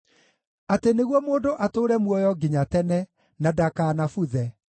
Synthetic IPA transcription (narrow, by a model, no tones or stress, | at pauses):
ateneɣwɔmoːndoʔatoːɾɛmwɔjɔɡiɲatɛnɛ | nadakaːnafuðɛ